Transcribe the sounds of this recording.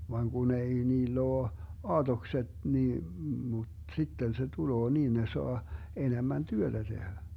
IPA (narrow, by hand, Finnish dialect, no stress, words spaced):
ʋɑŋ ɡ̊un ei niːlː oː ɑːtokset niː mut sitːen se tuloː niːn ne soɑ enemæn tyøtæ tehæ